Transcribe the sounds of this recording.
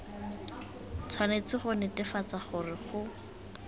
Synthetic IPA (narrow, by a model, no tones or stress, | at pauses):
t͡sʰwanet͡sɪχʊnɪtʼɪfat͡saχʊrɪχʊ